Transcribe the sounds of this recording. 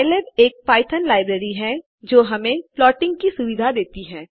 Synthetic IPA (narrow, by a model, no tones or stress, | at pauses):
ɪleɖeːk̚paːɪt̪ʰənlaːɪbɾeːɾiɦɛ | d͡ʒoːɦɐmẽplɔːʈɪ̃ŋɡkisʊʋɪd̪ʱad̪eːt̪iɦɛː